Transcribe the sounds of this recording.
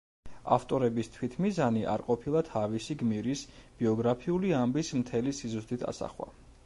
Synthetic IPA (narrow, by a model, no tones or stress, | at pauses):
aft̪ʼɔɾɛbist̪ʰwit̪ʰmizaniʔa̰ɾqʼɔpʰilˠat̪ʰavisiɡmiɾisb̥iɔɡɾapʰiuliambismt̪ʰɛlisizust̪ʼit̪ʰa̰sa̰χwa̰